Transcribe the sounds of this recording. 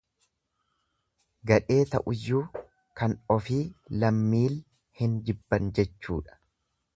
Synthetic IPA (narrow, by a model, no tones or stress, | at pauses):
ɡɐᶑe̞ːt̪ɐ̰ʔʊjːuː | kɐnɔfiːlɐmːiːl | hɪnd͡ʒɪbːɐnd͡ʒɛt͡ʃːṵːᶑɐ̥